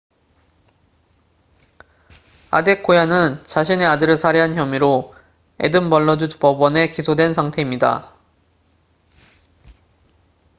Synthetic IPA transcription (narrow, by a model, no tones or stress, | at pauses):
a̰de̞k͈ʰojanɯnt͡ɕaɕʰine̞adɯɾɯɭsʰaɾeɦançjʌmiɾo | e̞̰dɯmbʌɭːʌd͡ʑupʌbʌne̞kisʰodwe̞nsʰaŋtʰe̞imɲida̰